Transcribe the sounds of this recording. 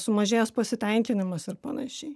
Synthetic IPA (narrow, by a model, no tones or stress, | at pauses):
sʊmɐʒʲeːjɛspɐsʲɪt̪ʲɛŋʲkʲɪnʲɪmɐsɪɾpɐnɐʃʲɛɪ